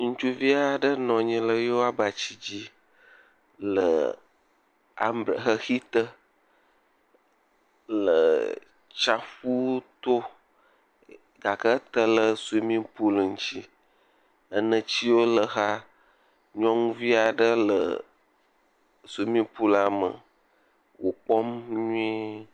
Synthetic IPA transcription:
ŋũ˦t͡ʃu˦vi˦a˨ɖə˦nɔ̃˨ɲĩ˨lə˨jo˦a˦ba˨t͡ɕi˦d͡ʑi˦ | lə̰˨ | a̰˨mbɾə̰˨xə˦xi˦t̪ə˦ | lə˨ | t͡ʃa˨ɸu˦t̪o˦ | ɡa˨kə˦t̪ə˦lə˦su˦mĩ˦pu˦lŋ̩˦t͡ɕi˦ | ə˦nə̃˨t͡ɕi˦wo˦lə˨ɣa˦ | ɲɔ̃˦ŋũ˦vi˦a˨ɖə˦lə̰˨ | su˨˦mĩ˦pu˦la˨mə̰˨ | wo˨k͡pɔ˦mɲũũ˦i˦

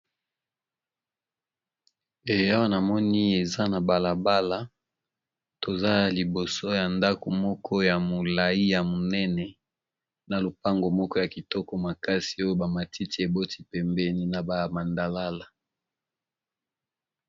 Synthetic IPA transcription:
e˨ja˦wa˦na˨mɔ˦ni˦e˨za˦na˨ba˨la˨ba˦la˦ | to˨za˦˨li˨bo˨so˦ja˨nda˦ko˨mɔ˦kʰɔ˦ja˨mo˨la˨i˦ja˨mo˨nɛ˦nɛ˨ | na˨lo˨pa˦ŋɡo˨mɔ˦kɔ˦ja˨ki˨tɔ˦kɔ˦ma˨ka˦si˨o˦jo˦ba˨ma˨ti˦ti˦e˨bo˦ti̥˦pɛ˨mbɛ˦ni˦na˨ba˦ja˨ma˨nda˨la˦la˨

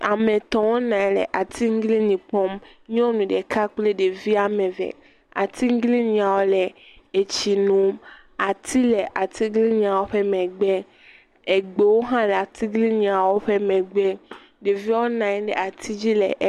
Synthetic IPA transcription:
a˨mɛ̃˨t̪ɔ̃˨wo˦nã˨˦lɛ̰˨ʔa˨t̪ʰi˦ŋ̩˦ɡli˦ɲĩ˨pɔ˦mɲɔ̃˦nũ˨ɖɛ˨kʰa˦k͡ple˦ɖe˨vi˦a˨mɛ̃˨vɛ̰˨ | a̰˨t̪i˦ŋ̩˦ɡli˦ɲĩ˨a˨wo˦lɛ˨e˨t͡ɕi˨nũ˨m | a˨t̪ʰi˦lɛ˨ʔa˨t̪i˦ɡli˦ɲĩ˨a˨wo˦ɸɛ˦mɛ̃˨ɡ͡bɛ˦ | e˨ɡ͡be˨wo˦ɦã˦lɛ˨a˨t̪i˦ɡli˦ɲĩ˨a˨wo˦ɸe˦mɛ̃˨ɡ͡bɛ˦ | ɖe˨vi˦a˦wo˦nã˨˦ɖɛ̰˨a˨t̪ʰi˦d͡ʑi˦lɛ̰˨ʔ

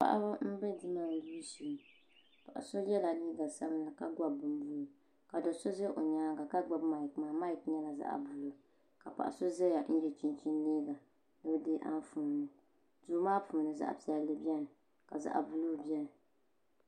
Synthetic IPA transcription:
pa̰˨ʔa̰˦ba˦m̩˦bɛ˦dɨ˦maː˦˨lu˦si˨m˨ | pa̰˨ʔa̰˨so˦jɛ˦la˨ni˦ɡa˨sa˦bla˨ka˦ɡʷa˦bːɨ˨m˦bu˦lu˨ | ka˨do˨so˦zɛ˦ʔo˨ɲaː˦ɡa˨ka˦ɡ͡ba˦bma˨i˨kmaː˨ma˦i˨k̚ɲɛ˦la˨za̰˨ʔa̰˨bu˨lo˨ | ka˨pa̰˨ʔa̰˨so˦zɛ˦ja˨n̩˦jɛ˦t͡ʃi˦nt͡ʃi˦nː˦i˦ɡa˨ | nɨ˦deː˦ʔa̰˦n˦fuː˨nɨ˨ | duː˦maː˦fu˨nɨ˨za̰˦ʔa̰˨pi˦a˨lɨ˦bjɛ˦nɨ˨ | ka˨za̰˨ʔa̰˨bu˨lo˦˨bi˦ɛ˦nɨ˨

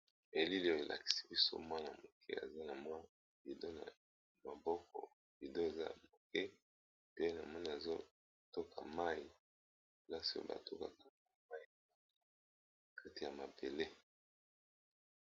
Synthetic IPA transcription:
e˨li˦li˦o˨e˨lʔa̰˨ki̥˨si̥˦bi˦so̰˦mwa˦na˨mo˨kʰɛ̰˦a̰˨za˦na˨mwa˦ | vi˨do˦na̰˨ | ma˨bɔ˦kɔ̰˨ | vi˨do˦e˨za˦a˨mo˨kɛ˦ | pe˦na˨mwɔ˦ni˦˨a˨zo˦ | to˦kʰa˨ma˦i˨ | i˨la˦si˨o̰˦ba̰˨to˦ka̰˨ka˦˨a˨ma˦i˨˦ | kʰa˦ti˨ja˨ma˨be˨le˦

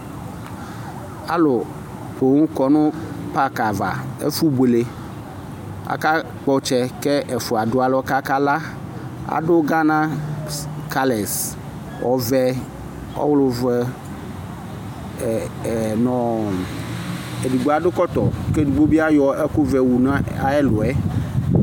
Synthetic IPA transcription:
a˨lo˨ | po˨ŋũ˦kɔ˨nʊ̃˦pa˦ka˨va̰˨ḛ˦fu˦bo˨le˨ | a̰˨ka˦ | k͡pɔ˨˦t͡ʃɛ˦kɛ˦ʔe˨fʊ˨a˨dʊ˦a˨lɔ˦ka˦ka˦la˦ | a̰˨ɖʊ˦ɡa˦nã˦ | ka˦le˨s | wʔɔ˨vɛ˦ | ɔ̰˦wlʊ˨ve˦˨ | nɔ̃˨ | e˨du˨ɡ͡bo˦a˨ɖʊ˦kɔ˦t̪ɔ˨ke˦du˨ɡ͡bo˦bi˦a˦jɔ˨e˦ko˦vɛ˨wu˨nã˦a˨ɛ˦lo˨ɛ˦

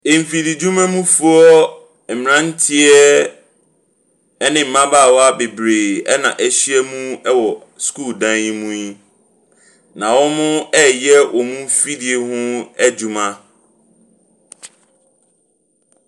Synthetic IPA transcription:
e˨m˨fi˨di˨d͡ʑu˦mã˦mũ˦fu˦ɔ˦ | ɛ˨m˨nã˦n̩˦tʰɪ˦ɛ˦ | nɪ̃˨m̩˨mã˦baː˦˨wɔ˦a˦be˨bɾeː˨ɛ˦nã˨ʔɛ˦ɕi˦ɛ˦mũ˦ɛ˦wɔ˨ | skuː˦˨ldã˦njĩ˦mũ˦i˦ | nã˨wɔ˦mʊ̃˦ɛ˦jɛ˦wʔɔ˨mũ˦fi˦di˨e˦hʊ̃˦ɛ˦d͡ʑu˦mã˦

